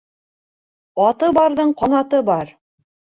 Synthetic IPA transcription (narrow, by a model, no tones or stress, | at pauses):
ɑt̪ɤbɑɾðɤɴqɑnɑt̪ɤbɑɾ